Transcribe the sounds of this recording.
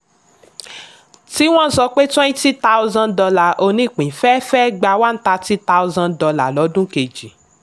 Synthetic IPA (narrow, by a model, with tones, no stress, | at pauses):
ti˦w̃ɔ̃˦˨sɔ˧k͡pe˦tw̃ɛ̃˦nĩ˦ti˦ta˦u˦zã˧ndɔ˧la˨ʔo˧nĩ˦˨k͡pĩ˨˦fɛ˦fɛ˦ɡ͡ba˧wa˦n̩˦ta˧ti˦ta˦u˧zã˧ndɔ˧la˨lɔ˨˦dũ˦ke˨d͡ʒi˨